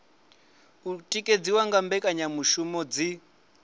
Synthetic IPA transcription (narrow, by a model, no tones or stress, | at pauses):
utʼikʼed͡ziwaŋɡambɛkʼaɲamuʃumɔd͡zi